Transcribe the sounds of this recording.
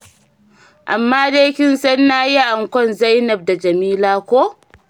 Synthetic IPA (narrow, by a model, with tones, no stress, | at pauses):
ʔa˨mːaː˦deː˦kʲɪ˦nsɐ˦nːaː˦ja˦ʔa˨ŋkʷɔ˦nza˦jnɐ˨b̚da˨d͡ʒɐ˨miː˦laː˦kʷoː˦